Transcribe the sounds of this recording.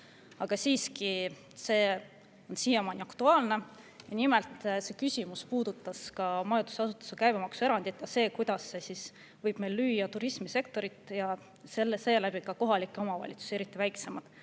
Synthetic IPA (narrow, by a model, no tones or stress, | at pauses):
ɑɡ̥ɑsiːski | se̞ː | o̞nsijemɑnʲiɑkt̪uɑːlne̞ | jɑnimelt̪ˑse̞kysʲimuspuːd̪̥ut̪ːˑɑskɑmɑjɑnd̪u̥sɑsut̪ːˑɑ̥sukæjb̥e̞mɑksue̞ɾɑnd̪̥it̪ːˑjɑse̞ːkujd̪̥ɑsːesis | vɤjb̥me̞jlːyːjɑt̪uɾismise̞k̚t̪o̞ɾit̪ːˑjɑ | selese̞ːlæb̥ikɑko̞ɦɑlikːˑeo̞mɑvɑ̰lʲḭt̪su̥seeɾit̪ːˑivæjkse̞mɑd̪̥